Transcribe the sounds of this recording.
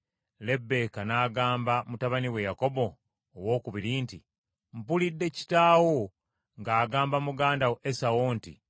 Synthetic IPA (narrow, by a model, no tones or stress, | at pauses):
le̞bːe̞kanaːɡaːmbamutaβaniwe̞jako̞bo̞ː | wo̞ːkuβiɾinti | m̩pulidːe̞ci̥taːwo | ŋɡaːɡaːmbamuɡaːndawʔesawontḭ